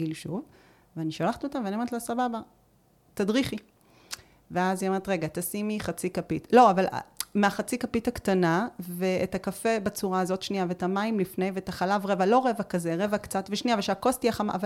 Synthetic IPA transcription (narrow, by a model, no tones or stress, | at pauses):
ɡilʃuv | veaniʃalaχt̪ot̪amvaniomtlosababa | tadʁiχi | veazijomeʁet̪ʁe̞ɡat̪asimiχat͡sikapitlo̞avala̰meaχat͡sikapitaktanave̞ethakafe̞bat͡suʁaːzo̞tʃniaveetamaimlifne̞jveetaχalavʁe̞valo̞ʁe̞vakazeʁe̞vakt͡satveʃniaveʃeakostiaχama̰ʔaval